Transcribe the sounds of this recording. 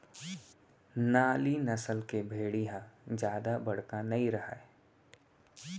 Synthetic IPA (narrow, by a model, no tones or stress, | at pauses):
naːlinɐsəlkebʱeːɽijãd͡ʒjaːd̪abɐɽ̤kanɐĩɾɐɦaɛ